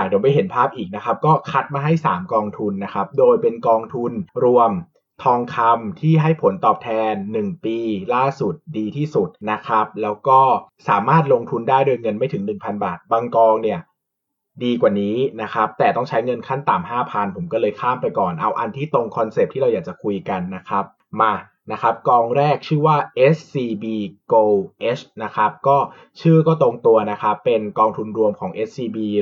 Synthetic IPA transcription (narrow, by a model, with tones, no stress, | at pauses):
a˨˩di˩˦ma˧jɦe˩˦npʰaː˥˩p̚ʔiː˨˩k̚na˦˥kʰa˦˥p̚kɔː˥˩kʰa˦˥t̪̚maː˧ɦa˥˩jsaː˩˦mkɔː˧ŋt̪ʰu˧nːa˦˥kʰa˦˥p̚doː˧jpe˧nkɔː˧ŋt̪ʰu˧nɾu˧əm | t̪ʰɔː˧ŋkʰa˧mt̪ʰiː˥˩ɦa˥˩jpʰo˨˩˦nt̪ɔː˨˩p̚t̪ʰɛː˧nːɯ˨˩ŋpiː˧laː˥˩su˨˩t̪̚diː˧t̪ʰiː˥˩su˨˩t̪̚na˦˥kʰa˦˥p̚lɛː˦˥wkɔː˥˩saː˩˦maː˥˩t̪̚lo˧ŋt̪ʰu˧ndaː˥˩jdo˧jŋɤ˧nma˥˩jt̪ʰɯ˩˦ŋnɯ˨˩ŋpʰa˧nbaː˨˩t̪̚baː˧ŋkɔː˧ŋni˥˩ɐ | diː˧kwaː˨˩niː˦˥na˦˥kʰa˦˥p̚t̪ɛː˨˩t̪ɔ˥˩ŋt͡ɕʰa˦˥jŋɤ˧nkʰa˥˩nt̪aː˨˩mɦaː˥˩pʰa˧npʰo˩˦mkɔː˥˩lɤː˧jkʰaː˥˩mpa˧jkɔː˨˩nʔa˧wʔa˧nt̪ʰiː˥˩t̪o˧ŋkʰɔ˧nse˨˩p̚t̪ʰiː˥ɾa˧wjaː˨˩t͡ɕa˨˩kʰu˧jka˧nːa˦˥kʰa˦˥p̚ | maː˧ | na˦˥kʰa˦˥p̚kɔː˧ŋɾɛː˥˩k̚t͡ɕʰɯː˥˩waː˥˩ʔe˦˥ssiː˧biː˧koː˧ʔe˦˥sna˦˥kʰa˦˥p̚kɔː˥˩ | t͡ɕʰɯː˥˩kɔː˥˩t̪o˧ŋt̪u˧ɐna˦˥kʰa˦˥pːe˧nkɔː˧ŋt̪ʰu˧nɾu˧əmkʰɔː˩˦ŋʔe˦˥s̚siː˧biː˧